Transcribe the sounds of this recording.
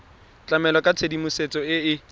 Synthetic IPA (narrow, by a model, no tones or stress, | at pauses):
t͡ɬʼamɛlɔkʼat͡sʰedimuset͡sɔɪɪ